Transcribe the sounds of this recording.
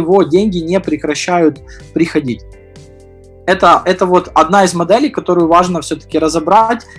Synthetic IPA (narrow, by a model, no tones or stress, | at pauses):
ɪvo̞dʲenʲɡʲɪnʲepɾʲɪkɾɐɕːæjʊt̪pɾʲɪxɐdʲitʲ | ɛt̪əʔɛt̪əvo̞t̪ɐd̪naɪzmɐd̪ɛlʲɪjkɐt̪o̞ɾʊjʊvaʐnəfsʲɵt̪ə̥kʲɪɾəzɐbɾatʲ